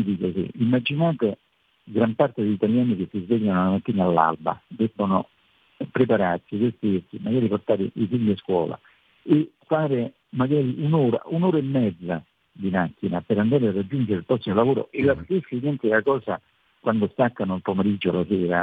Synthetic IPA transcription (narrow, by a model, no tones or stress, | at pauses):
d̪ikosḭʔimːad͡ʒinaːt̪ɪ | ɡɾampart̪ɪd̪eʎit̪aljaːnik̟esːizvɛʎːanʊlamat̪ːiːnaalːa̰lba̰d̪ɛbːonʊ | pɾepaɾarsid̪est̪irsimaɡaːɾiport̪aːɾɪ̰ʔisiɲːiaskwɔ̰ːla̰ | ɪfːaːɾɪ | maɡaːɾiʔunuːɾa̰ʔunoːɾaemːɛd̪zːa | d̪imakːinapɪɾand̪aːɾɪarːad͡ʒːund͡ʒeɾɪlpɾɔsːimolavoːɾo̰ʔelːast̪ɪsːinɛnt̪ɪlakɔːza | kwʔand̪ost̪akːanʊalpomeɾid͡ʒːʊalasɛːɾa̰